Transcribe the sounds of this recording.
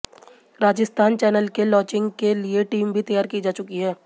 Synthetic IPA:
ɾaːd͡ʒɪst̪ʰaːnt͡ʃɛːnəlkelɔːt͡ʃɪ̃ŋɡkelieʈiːmbʱit̪ɐjaːɾkid͡ʒaːt͡ʃʊkiɦɛː

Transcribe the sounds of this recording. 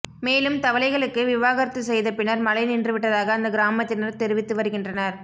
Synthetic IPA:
meːlɯmt̪ɐʋɐlɐɪɣɐɭɯkːɯʋɪʋaːɣɐɾɐt̪ːɯsɛjðɐpɪnɐɾmɐlɐɪnɪndrɯʋɪʈːɐðaːɣɐːnd̪ɐɡɪɾaːmɐt̪ːɪnɐɾt̪ɛɾɯʋɪt̪ːɯʋɐɾɯɣɪndrɐnɐɾ

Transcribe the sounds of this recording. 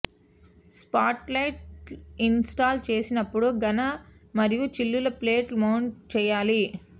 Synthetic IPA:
spaːʈlɐjʈinsʈaːlt͡ʃe̞ːsinɐpːuɽuɡɐnɐ | mɐɾijut͡ʃilːulɐpleːʈmɐwɳt͡ʃɛːjaːli

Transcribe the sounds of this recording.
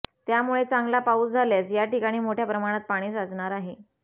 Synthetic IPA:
t̪jamuɭet͡saŋɡlapaut͡sd͡zʱaljasjaʈikaɽ̃iːmoʈʰjapɾəmaɽ̃at̪̚paɽ̃iːsəd͡zɳaɾaɦe

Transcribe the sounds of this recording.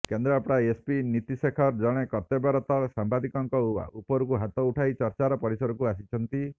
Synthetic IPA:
kend̪ɾɔapɽaespinit̪isekʰɔɾd͡ʒɔɽ̃ekɔɾt̪ebaɾɔt̪ɔsambad̪ʱikɔŋkɔua̰ʔupɔɾukuɦat̪ɔuʈʰajt͡ʃɔɾt͡ʃaɾɔpɔɾisɔɾɔkuasit͡ʃʰɔnt̪i

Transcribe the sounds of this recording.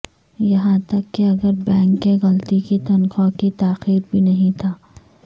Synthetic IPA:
jɐɦãt̪ɐkːeɐɡəɾbɛ̃ːŋkːeɣɐlt̪ikit̪ɐnqɔkit̪aːxiːɾbʱinɐɦĩt̪ʰaː

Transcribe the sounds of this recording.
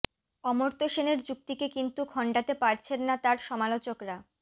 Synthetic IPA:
ɔmoɾt̪oʃeneɾd͡ʑuk̚t̪ikekint̪ukʰɔɳɖat̪epaɾt͡ɕʰenːat̪aɾʃɔmalot͡ɕokɾa

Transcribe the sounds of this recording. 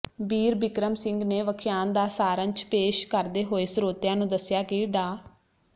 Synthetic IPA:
biːɾbɪkɾəmsɪ̃ŋɡneːʋəkʰɪjaːnd̪aːsaːɾənt͡ʃpeːʃkəɾd̪eːɦoːeːsəɾoːt̪jãːnũːd̪əsjaːkiːɖaː

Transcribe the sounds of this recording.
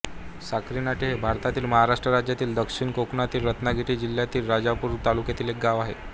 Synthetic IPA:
sakɾinaʈeɦebʱaɾt̪at̪iːlməɦaɾaʂʈɾəɾad͡ʑjat̪iːld̪əkʂiɳkoknat̪iːlɾət̪naɡʱiʈiːd͡ʑiljat̪iːlɾad͡ʑapuːɾt̪alukjet̪iːlek̚ɡaʋaɦḛ

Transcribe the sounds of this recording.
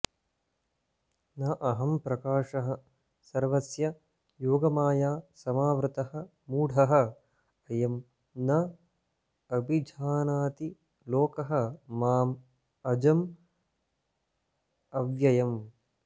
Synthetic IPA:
nɐʔɐɦɐmpɾɐkaːʂɐɦɐ̆ | sɐɾʋɐsjɐ | joːɡɐmaːjaːsɐmaːʋɾɨt̪ɐhɐ̆ | muːɽʱɐɦɐ̆ | ɐjɐm | nɐ | ɐbʱid͡ʒʱaːnaːt̪i | loːkɐɦɐ̆ːaːm | ɐd͡ʒɐm | ɐʋjɐjɐm

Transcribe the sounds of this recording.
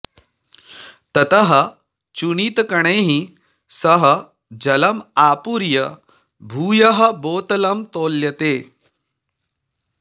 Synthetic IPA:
t̪ɐt̪ɐɦɐ | t͡ɕuɳiːt̪kɐɳ̃eːɦi | sɐɦɐ | d͡ʑɐlɐmaːpuɾjɐ | bʱuːjɐɦɐboːt̪ɐlɐmt̪oːljɐt̪eː

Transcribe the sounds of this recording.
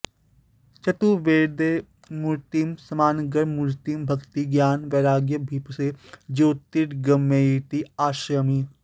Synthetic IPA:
t͡ʃɐt̪uʋeːɾd̪eː | muɾt̪imsɐmaːnɡəɾmʊɾt̪imbʱɐɡt̪iɡjaːnʋeːɾaːɡjəbʱiːpsed͡ʒoːt̪iʈɡɐmːeːiːʈiaːʃɾəmi

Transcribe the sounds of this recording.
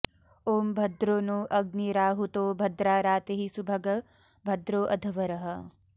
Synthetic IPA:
oːmbʱɐd̪ɾoːnuʔɐɡ̚niɾaːɦut̪oːbʱɐd̪ɾaːɾaːt̪eɦisubʱɐɡɐ | bʱɐd̪ɾoːʔɐd̪ʱɐʋɐɾɐɦɐ

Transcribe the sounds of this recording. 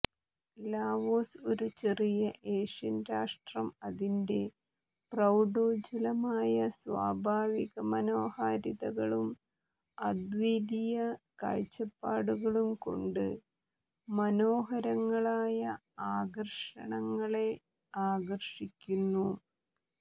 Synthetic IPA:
laːʋoːso̞ɾut͡ɕerijɐʔe̞ːʂɐnɾaːʂʈrɐmɐðinde̞ | prɐwɖo̞ːd͡ʑɐlɐmaːjɐswa̰ːbʱaːʋiɣɐmɐno̞ːhaːɾiðɐɣɐɭum | ɐd̪ʋid̪ijɐkɐ̰ɻt͡ɕːɐpːaːɽuɣɐɭumko̞̰ɳɖɨ | mɐno̞ːɦɐɾɐŋːɐɭaːjɐ | aːɡɐrʂɐ̰ɳɐŋːɐɭe̞ | aːɡɐrʂikʲːunːu

